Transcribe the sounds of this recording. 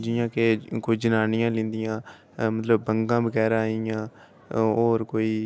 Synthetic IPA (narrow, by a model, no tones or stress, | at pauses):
d͡ʒɪjãːkekoiːd͡ʒənaːnɪjãːlɪ̃ːnd̪ɪjãː | mət̪ləbːəŋɡãːbəɡɛːɾãːɪjãː | oːɾkoːiː